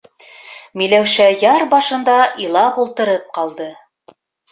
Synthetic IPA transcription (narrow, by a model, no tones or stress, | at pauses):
milæwʃæjɑɾbɑʃɤ̆nd̪ɑʔilˠɑpulˠt̪ɤ̆ɾɤp̚qɑlˠd̪ɤ